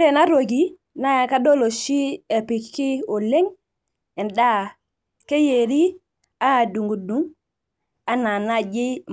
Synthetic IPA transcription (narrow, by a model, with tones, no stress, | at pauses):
e˦˨na˦ɾo˨ɡi˨˦ | na˦ja˨ka˦do˦lo˨ʃi˦e˨pi˨kki˦o˨le˦ŋ | ɛ˨nda˦ | ke˦je˨ɾi˦ | a˦a˨du˨ŋɡu˨du˦ŋ | a˦na˨na˦d͡ʒi˦